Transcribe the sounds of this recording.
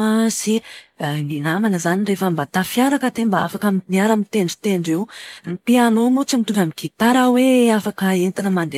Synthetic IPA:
asininamanəzanirefəmbat̪afiaɾakəd̪embaa̰fakaminiaɾamit̪eɳɖ͡ʐi̥t̪eɳɖ͡ʐewipianomut͡simit̪uvʲamikit̪aɾaweafakəent̪inəmaɳde

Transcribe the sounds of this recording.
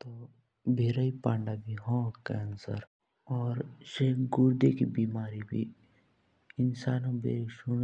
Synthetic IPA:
t̪oː | bʱeːɾaipãːɳɖaːbʱiɦɔ̃kɛːnsə̰ɾ | ɔːɾʃeːɡuɾd̪ekibiːmaːɾibʱḭ | ɪnsaːnõbʱḛːɾʃun

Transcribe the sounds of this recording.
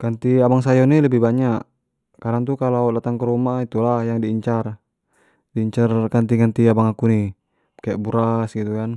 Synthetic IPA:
kant̪iabaŋs̬ajɔniləbihbaɲaʔ | kaɾaŋt̪ukalawdat̪aŋkəɾumait̪ulahjaŋdiːɲt͡ʃar | diːɲt͡ʃarkant̪iŋant̪iabaŋakuni | kajaʔbuɾasɡit̪ukan

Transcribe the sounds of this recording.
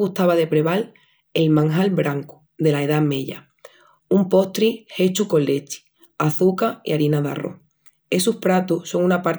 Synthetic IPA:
ɣuht̪aβaðe̞pɾe̞βal | e̞lmãŋɦalβbɾaŋku̥ | ðe̞laeðame̞ʎa̰ | umpo̞ht̪ɾihe̞t͡ʃuko̞lːe̞t͡ʃi̥ | aθukaḭaɾinaða̰ro̞̰h | e̞suhpɾat̪uso̞ŋunapaɾ

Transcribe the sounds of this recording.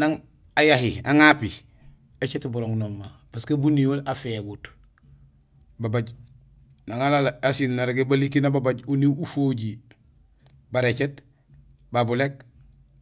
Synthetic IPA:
naŋ | ajahiaŋapi | et͡ʃetbuɾoŋnomːabaskabuniolafeɡut | babaɟ | naŋalalasinnaɾɡebalikinababaɟuniufoɟi | baɾet͡ʃet | babulek̚

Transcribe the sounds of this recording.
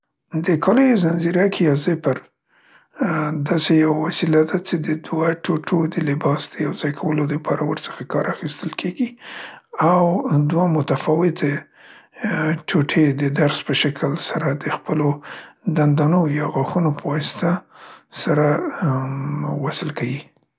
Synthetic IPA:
d̪əkʰɑlojzanziɾakʰijɑzepəɾ | d̪ɑsejawawasilad̪at͡ʃed̪əd̪waʈoʈʰod̪əlɪbɑsd̪̥əjawzɑjkʰawəlod̪əpʰɑɾawəɾt͡sə̥xakɑɾaxist̪əlkʰeɡi | awd̪wamʊt̪afɑwɪt̪e | ʈʰoʈʰed̪əd̪aɾspəʃakʰəlsaɾad̪əxpəlod̪and̪ɑnojɑɣaxunopəwɑst̪asaɾa | wasəlkawi

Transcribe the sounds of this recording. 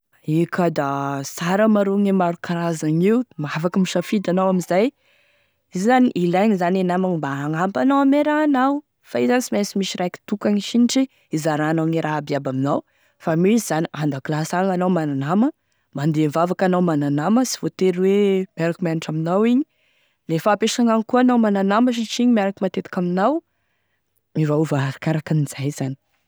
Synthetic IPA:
ikʰad̪asaɾəmaɾoŋemaɾukaɾazaɲiwmafakəmiʃafid̪anawamizaj | izizaniʔilaɲizanenamaɲimbaaŋampanawameɾaːnaw | faizansimasimiʃiɾajki̥t̪ukaŋiʃiniʈ͡ʂi | izaɾanaŋeɾʔaabiabaminaw | famisizaniand̪aklasaŋanawmananamə | mand̪emvavakanawmananaməsi̥v̥ot̪eɾweb̥aɾkmaniʈ͡ʂaminawiɲi | lefaːpeʃaŋaŋikuanawmananaməʃ̬iʈ͡ʂiɲimiaɾakimat̪et̪i̥kaminaw | ivauvaaɾakaɾakiniz̥ajzani̥

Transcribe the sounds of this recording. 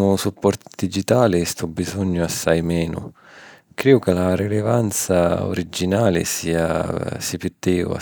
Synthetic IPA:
ʊsupːɔrt̪d̪id͡ʒit̪aːlɪst̪ɔbːizɔɲːʊasːajmɛːnʊ̰ | kɾeːʊkɪlaɾilevant̪sao̰ɾid͡ʒːinaːlɪ̰siːa̰sipit̪ːɛːa̰

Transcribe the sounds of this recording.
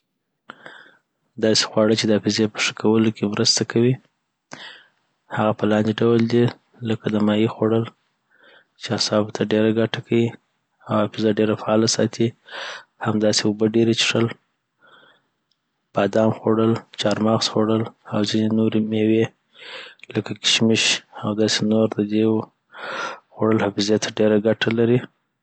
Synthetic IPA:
d̪ɑse̥xwɑɽət͡ʃed̪əafɪzepə̥ʂə̥kʰawəlokemɾəst̪akawi | haɣapəlɑnd̪eɖawəld̪i | ləkad̪əmɑjixoɽəl | t͡ʃeasɑbt̪ʰaɖeɾaɡaʈakʰawi | awafɪzaɖeɾafaɑlasɑ̰t̪i | hamd̪ɑseʊbəɖeɾet͡ʃʂəl | b̥ɑd̪ɑmxoɽəlt͡ʃɑɾmɑɣsxoɽəlawzinenoɾemewe | ləkakɪ̥ʃmɪʃawd̪ɑsenoɾd̪əd̪e | xoɽəlhafɪzet̪ʰaɖeɾaɡaʈalaɾi

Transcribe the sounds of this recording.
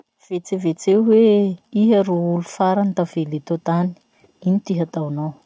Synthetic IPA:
v̥et͡sevet͡seweiɦaɾoulufaɾant̪avelet̪ot̪ani̥ | init̪iɦat̪awnow

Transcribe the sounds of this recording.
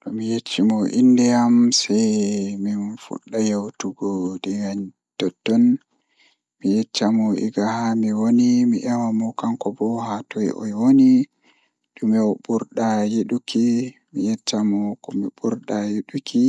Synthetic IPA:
ɗɔmijet͡ʃːimɔʔindɛjamsajminfṵɗːajewtuɡɔɗiwaɲ | tɔdɔn | mijɛt͡ʃːamɔʔḭɡahamiwonimiʔɛwamɔkaŋkɔbɔhatɔjʔɔ̰jwoni | ɗumɛwɔbuɾɗajeɗuki | mijɛt͡ʃːamɔkɔmibuɾɗajiɗuki

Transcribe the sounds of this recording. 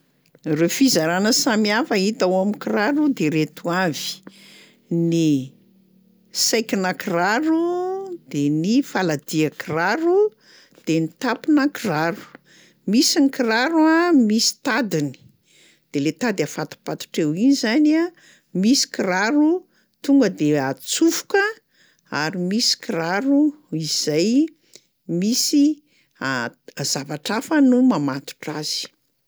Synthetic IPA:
refizaɾanəsamiafəit̪awamikiraɾud̪eɾet̪uavi̥ | ni | sajkinəkiraɾud̪̥enifalad̪iakiraɾu | d̪̥enit̪apinəkiraɾu̥ | misinikiɾaɾuamisi̥t̪ad̪ini̥ | d̪̥elet̪ad̪afat̪u̥pat̪u̥ʈ͡ʂewinizana | misi̥kiɾaɾu | t̪uŋɡəd̪eat͡sufu̥kə | aɾimisi̥kiɾaɾu | iz̥aj | misi | azavaʈ͡ʂafənumamat̪u̥ʈ͡ʂaz̥i̥

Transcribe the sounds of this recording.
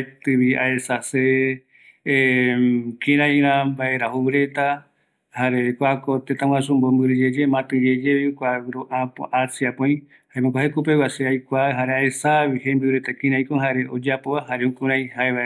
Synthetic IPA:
t̪ɨβia̰esase | kĩɾãj̃ɾãmbaeɾahuβɨɾe̞t̪a | haɾekʷakot̪et̪ãw̃ãsũmbombɨɾɨd͡ʒed͡ʒemãt̪ɨ̃d͡ʒed͡ʒeβikʷawɨɾoʔãpõ̰ʔasiapõj̃ | haẽmãkʷaɦekup̬ewaseajkʷaɦaɾeaesaβihembɨɾet̪akĩɾ̃ãj̃koɦaɾeʔod͡ʒapoβahaɾeũkũɾãj̃haeβa

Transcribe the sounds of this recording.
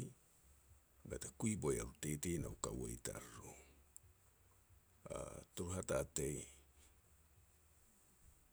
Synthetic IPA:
ɡatakuibojaɾutetejnaukawojta̰ɾo | a̰toɾuɦatatej

